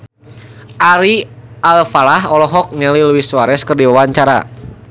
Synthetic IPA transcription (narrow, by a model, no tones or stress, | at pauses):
ʔaɾialfalaɦɔlɔɦɔk̚ɲəliluwisuaɾɛskərdiwawaɲt͡ʃaɾa̰